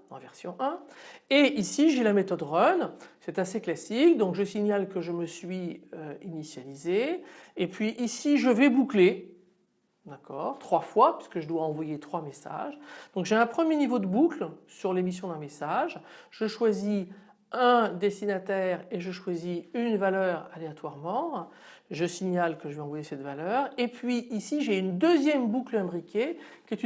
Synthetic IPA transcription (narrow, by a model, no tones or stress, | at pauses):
ɑ̰̃vɛʁsjɔ̃ʔɛ̃eisiʒelamet̪ɔd̪ʁœnsɛt̪aseklasik̚d̪ɔ̃kʒəsiɲalkəʒəməsɥiøinisjalizeepɥiʔisiʒəvɛbukle | d̪akʰɔːʁt̪χwafwapɥi̥sə̥kəʒəd̪waɑ̃vwajet̪χwamesa̰ʒd̪ɔ̃kʒeɛ̃pχəmjenivod̪əbuklsyʁlemis̬jɔ̃d̪ɛ̃mesaʒʒəʃwazi | ɛ̃d̪est̪inat̪ɛːʁeʒəʃwaziynvalœːʁaleat̪waʁmɑ̃ | ʒəsiɲalkəʒəvɛɑ̃vwajesɛt̪valœːʁepɥiʔisiʒeynd̪øzjɛmbuklɛ̃bʁikʲekʲɛt̪